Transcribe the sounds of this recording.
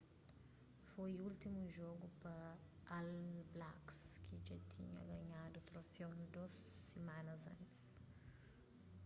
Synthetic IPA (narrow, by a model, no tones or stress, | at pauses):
fojult̪imuʒoɡupɐalblakskʰid͡ʒat̪ʰḭɲɐ̰ɡɐɲad̪ut̪ɾofewd̪ozːemanɐzɐ̰̃nt̪i̥s